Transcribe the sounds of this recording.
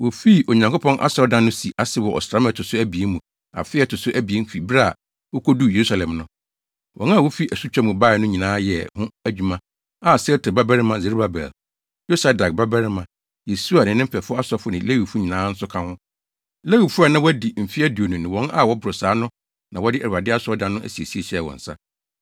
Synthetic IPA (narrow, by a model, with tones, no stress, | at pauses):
wo˨fi˦ʔo˨ɲã˨ŋkʰpʰɔ̃˦nʔa̰˦sɔ˦dã˦nːʊ̃˦si˨ʔa˦sɪ˨˦wɔ˨ʔɔ̰˨sɾa˨˦mɛ̃˦˨tʰʊ˨sʊ˦æ˦bi˨e˦mũ˨ | a̰˨fɪ˦ɛ˦˨tʰʊ˨sʊ˦ʔæ˦bi˨e˦m̩˦fi˨bɾa˦˨ | wɔ˦kʰo˦du˦je˨ɾu˦sa˨lɛ̃˨mnʊ̃˦ | wʔɔ̃˨˦na˦˨wo˦fi˦ʔæ˨su˦t͡ɕᶣa˦mʊ̃˨ba˦˨ɪ˨nʊ̃˦ɲĩ˨nãː˦jɛ˨hʊ̃˦æ˦d͡ʑᶣu˨mã˦ | a˨sɛ˦tʰʊ˨ba˦bɛ˦ɾɪ˦mã˨ze˨ɾba˨bɛ̰˨l | jo˦sa˦da˨k̚ba˦bɛ˦ɾɪ˦mã˨ | je˨su˦a˨nɪ̃˨nɪ̃˦m̩˦fɛ˨fʊ˦a˦sɔ˦fʊ˦nɪ̃˨le˦wi˨fu˦ɲĩ˨nãː˨˦n̩˦sʊ˦kʰã˦hʊ̃˦ | le˦wi˨fu˦a˨nã˦wɔ˦di˨m̩˨fi˦æ˦du˨o˨nũ˨nɪ̃˨wɔ̃˨˦na˦˨wɔ˦bʊ˨ɾʊ˨saː˨˦nʊ̃˦ | nã˨wɔ˦dɪ˦ʔæ˨u˨a˨dɪ˦a˦sʊ˦ɔ˦dã˨nːʊ̃˦ʔæ̰˨si˨e˨si˦e˨ɕɛ˦˨wɔ̰̃˨n̩˨sa̰˦